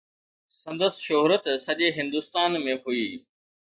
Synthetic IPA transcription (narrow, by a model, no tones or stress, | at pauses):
sɐ̃nd̪əsʃoɦɾət̪sɐʄeɦɪ̃nd̪uːst̪aːnmẽɦuiː